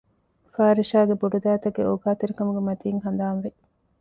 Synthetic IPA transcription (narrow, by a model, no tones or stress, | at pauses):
faːɾiʃaːɡeboɖud̪aːt̪ɐɡeoɡaːt̪eɾikɐmuɡemɐt̪iːŋɦɐnd̪aːnʋe